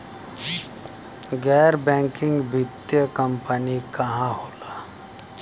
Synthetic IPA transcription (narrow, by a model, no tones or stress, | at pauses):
ɡɛːɾbɛ̃ːŋkɪ̃ŋɡbʱɪt̪jəkəmpənikɐɦãɦoːlaː